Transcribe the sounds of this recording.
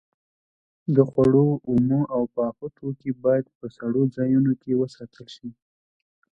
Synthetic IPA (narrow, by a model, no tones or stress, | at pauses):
d̪əxwaɽoumoawpɑxot̪ʰokibɑjad̪̚pəsaɽod͡zɑjunokewəsɑt̪ʰəlʃi